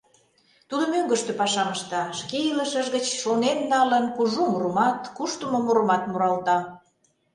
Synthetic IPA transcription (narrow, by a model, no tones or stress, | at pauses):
t̪ud̪ə̆møŋɡə̆ʃt̪ø̆pɑʃɑməʃt̪ɑʃkeiləʃəʒɣət͡ɕʃonenːɑlənkuʒumuɾəmɑt̪kuʃt̪əmomuɾəmɑt̪muɾɑlt̪ɑ